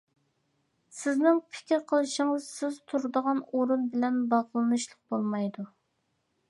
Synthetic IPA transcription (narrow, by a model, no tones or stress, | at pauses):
sɪznɪŋpʰɪ̥kʲɾqʰəlˠɨʃɪŋɨzsɪzt̪ʰuɾd̪əʁɑnoɾunbɪlɛnbɑʁlˠɨnɨʃlˠəq̚bolˠmɑjd̪u